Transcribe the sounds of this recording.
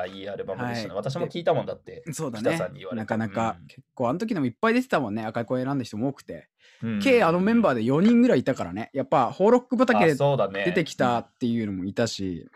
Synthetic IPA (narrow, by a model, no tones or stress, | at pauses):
aiːaɾɯ̟bamhaieat̪aɕ̬imokʲiːt̪amõ̞nd̪at̪ːe̞so̞ːd̪anaeãɲːianakanakakʰe̞kːoːanot̪ok̬ʲid̪emoipːaid̪e̞t̪e̞t̪amõ̞nːe̞akaikõeɾãnd̪açi̥t̪o̞mooːkɯ̟̥t̪e̞̰ | ke̞ːano̞mẽ̞mbaːd̪e̞jo̞ɲ̟ĩŋɡɯ̟ɾaiːt̪akaɾa̰ne̞japːaho̞ːɾo̞kːɯ̟bat̪aked̪eoːd̪and̪e̞t̪e̞kʲi̥t̪at̪ːe̞jɯ̟ːno̞mo̞it̪aɕḭ